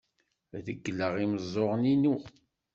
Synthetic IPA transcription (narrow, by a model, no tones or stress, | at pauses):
ðəɡːlːəʁiməzˤːoʁninu